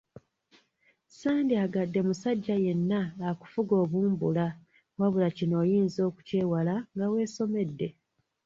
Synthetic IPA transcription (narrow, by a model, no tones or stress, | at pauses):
saːndiaɡadːe̞musaɟːaje̞nːaaku̥fuɡo̞ːβuːmbula | waβulacino̞ːjiːnzo̞ːku̥ce̞ːwalaŋɡawe̞ːso̞me̞dːe̞